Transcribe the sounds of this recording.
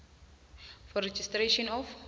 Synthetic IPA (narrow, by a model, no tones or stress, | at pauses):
fɔɾɛd͡ʒistreʃɔ̃nɔf